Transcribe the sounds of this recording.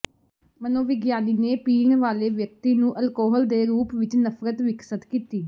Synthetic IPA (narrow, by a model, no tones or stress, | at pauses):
mənõːʋɪɡjaːniːneːpiːɳʋaːleːʋjək̚t̪iːnũːʔəlkɔːɦəld̪eːɾuːpʋɪt͡ʃnəfɾət̪ʋɪksət̪kiːt̪iː